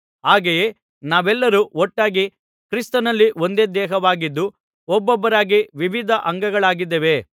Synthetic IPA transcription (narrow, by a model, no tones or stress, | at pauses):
ɦaːɡejeː | naːʋɛlːɐɾuɔʈːaːɡi | kɾist̪ɐnɐlːiʔo̞nd̪e̞ːd̪ɛːɦɐʋaːɡid̪ːu | ɔbːɔbːɐɾaːɡiʋiʋid̪ʱɐʔɐŋɡɐɡɐɭaːɡid̪ːeʋe̞